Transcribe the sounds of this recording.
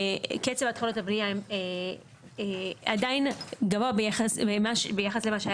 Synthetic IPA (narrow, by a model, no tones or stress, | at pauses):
ket͡sevat̪χolotabniaeme | adainɡavoabeaasbemaʃbejaχaslemaʃa